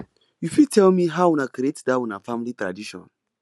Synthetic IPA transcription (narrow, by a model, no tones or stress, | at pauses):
jufitʰɛlmiɦawɔ̃nakɾietdawĩnafãmilitɹa̰diʃɔ̰̃n